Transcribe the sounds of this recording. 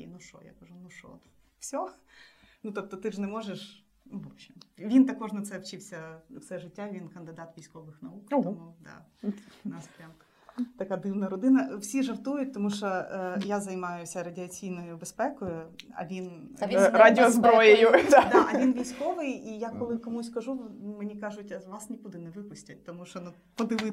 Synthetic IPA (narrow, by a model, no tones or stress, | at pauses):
ḭnuʂɔ̰ja̰kɐʒunuʂɔ̰fsʲɔ | nut̪ɔp̚t̪ɔt̪ɪʐnɛmɔʒeʃ | nubɔɕʲimʋʲint̪ɐkɔʐnɐt̪sɛʋt͡ʃɪwsʲɐsɛʐɪtʲːaʋʲinkɐnd̪ɪd̪ɑt̪ʋʲijsʲkɔʋɪxnɐukt̪ɔmud̪ɑ̰nɑspɾʲam | t̪ɐkad̪ɪwnɐɾɔd̪ɪnɐwsʲiʐɐrt̪ujʊt̚ʲt̪ɔmuʃɔjazɐjmɑjʊsʲɐɾɐdʲɪɐt͡sʲijnɔjʊbɛspɛkɔjʊɐ̰ʋʲinʲ | ɾadʲɪɔzbɾɔjejʊd̪d̪aɐʋʲinʋʲijsʲkoʋɪjijakɔlˠɪkɐmusʲkɐʐumɪnʲikɑʐʊtʲɐʋɑsnʲikud̪ɪnɛʋɨpʊsʲtʲɐt̚ʲt̪ɔmuʃɔnu | pɔd̪ɨʋɪ